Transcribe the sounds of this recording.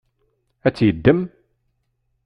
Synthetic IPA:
æt͡sːjəd̪ːəm

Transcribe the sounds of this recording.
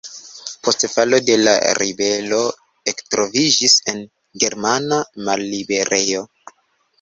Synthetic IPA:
po̞stfalo̞de̞la̰ɾibe̞lo̞ | ektɾo̞vid͡ʒise̞n | ɡe̞ɾmanamalːibe̞ɾe̞jo̞

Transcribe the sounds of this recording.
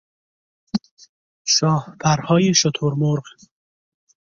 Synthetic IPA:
ʃɒːhpʰæɾhɒːjeʃot̪ʰoɾmoɾɢ

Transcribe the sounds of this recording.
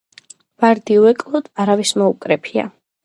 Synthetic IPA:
vaɾd̪iuɛkʼlˠɔd̪aɾavismɔukʼɾɛpʰia̰

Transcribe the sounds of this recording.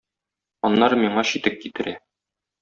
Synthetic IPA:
ɒnːɑɾmiɴɑɕit̪ɘp̚kit̪ɘ̆ɾæ

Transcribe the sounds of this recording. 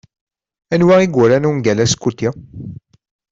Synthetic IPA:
ænwæʁiɡʷuɾænuŋɡælæskːut̪ːi

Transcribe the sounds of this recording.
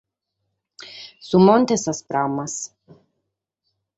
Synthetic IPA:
summont̪esaspɾamas

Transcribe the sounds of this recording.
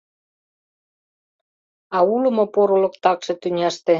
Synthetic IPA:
ɑulə̆mŏpoɾolɤ̆kt̪ɑkʃĕt̪ynʲæʃt̪e

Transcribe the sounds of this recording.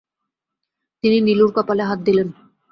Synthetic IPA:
t̪ininiluɾkɔpaleɦat̪̚d̪ilen

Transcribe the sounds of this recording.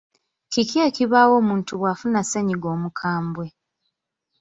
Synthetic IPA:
kikjeːkiβaːwo̞ːmuːntuβwaːfunaseɲiɡo̞ːmukʰaːmbwe̞

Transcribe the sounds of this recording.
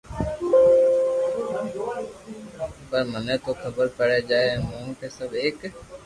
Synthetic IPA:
pəɾmənet̪okʰəbəɾpəɽed͡ʒaːemõːkesəbeːk

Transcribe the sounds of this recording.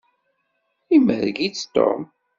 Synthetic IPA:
imə̰ðɡit͡sːt̪o̰m

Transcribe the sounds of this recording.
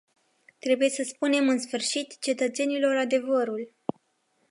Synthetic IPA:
t̪ɾe̞buje̞səspune̞mɨnsfɨrʃit̪t͡ʃe̞t̪ət̪se̞nilo̞ɾad̪e̞vəɾul

